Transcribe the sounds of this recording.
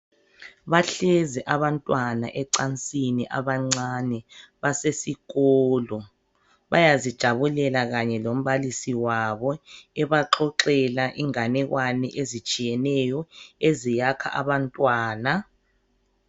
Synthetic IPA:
βaɬɛzɛʔaβantʼwana̰ʔɛǀant͡sʼiniʔa̰βaŋ͡ǀanɛβasesiɣɔːlɔ | βajazid̥ʒ̥ʱaβulɛlaɣaɲɛlom̩βalisiwaβɔɛβaǁʰɔǁɛlaʔiŋanɛɣwʔanɛʔezit͡ʃʼijɛnɛjɔezijakʰa̰ʔaβantʼwaːna

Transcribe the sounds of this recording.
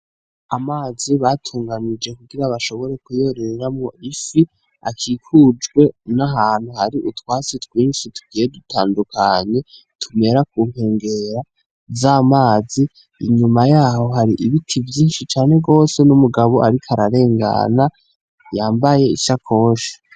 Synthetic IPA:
amaːziβatʰuːŋɡanid͡ʒe̞kuɡiɾaβaʃo̞βo̞ɾe̞kujo̞ɾeɾɾamoifi | a̰kʰiːkʰud͡ʒɡwe̞naɦaːn̥huhaɾiʔutwaːt͡sitwiːnʃitu̥ɡijedutʰaːndukʰaɲe̞ | tʰume̞ɾak̚uːŋ̥e̞ːŋɡe̞ɾa | vzamaːziː | ɲumajaːho̞ɦaɾiʔiβitʰivjiːnʃit͡ʃaːne̞ɡo̞ːse̞numuɡaβo̞ʔaɾikʰaɾaɾe̞ːŋɡa̰na | jaːmbaje̞ḭʃakʰo̞ːʃḁ

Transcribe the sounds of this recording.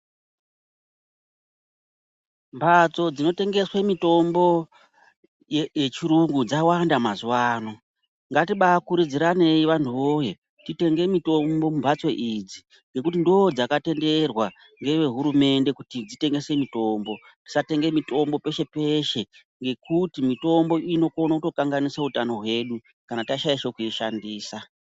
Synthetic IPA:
mbʱat͡so̞d͡zino̞te̞ŋɡe̞swemito̞mbo̞ | jjet͡ʃiɾuŋɡud͡zawandamazuwaːno̞ | ŋɡatiɓakuɾid͡ziɾane̞jiʋantʰuʋo̞ːjo̞ | tite̞ŋɡe̞mito̞mbo̞mumbʱat͡so̞ʔid͡zi | ŋɡe̞kutindo̞d͡zakate̞nde̞rwa | ŋɡe̞ʋe̞ɦuɾume̞nde̞kutid͡zite̞ŋɡe̞se̞mito̞mbo̞ | ti̥sate̞ŋɡe̞mito̞mbo̞pe̞ʃe̞pe̞ʃe̞ | ŋɡe̞kutimito̞mbo̞ino̞ko̞nakuto̞kaŋɡaniseutano̞ɦwe̞ːɗu | kanataʃaiʃokuiʃandiːsa

